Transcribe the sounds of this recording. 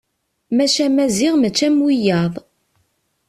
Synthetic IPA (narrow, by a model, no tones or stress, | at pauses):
mæʃæmæzɪʁmət͡ʃːæmwijɑðˤ